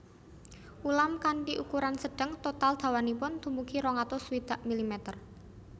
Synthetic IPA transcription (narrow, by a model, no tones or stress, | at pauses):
ʔulamkanʈiʔukuɾansəɖ̥ə̤ŋt̪ot̪ald̪̥a̤wanipʊnd̪̥ṳmbukiɾɔŋat̪ɔswid̪̥aʔmilimɛt̪ər